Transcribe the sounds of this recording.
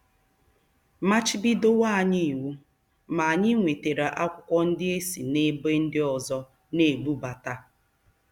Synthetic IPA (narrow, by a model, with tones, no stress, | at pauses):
ma˦t͡ʃɪ˦bi˦do˦wa˦a˨ɲi˦i˨wu˦ | ma˨a˨ɲɪ˦ŋʷe˨te˨ɾa˨ʔa˦kʷʊ˦kʷɔ˦n̩˦dɪ˦e˦si˨ne˦be˦n̩˦dɪ˦ɔ˨zɔ˦ | ne˨bu˦ba˨ta˦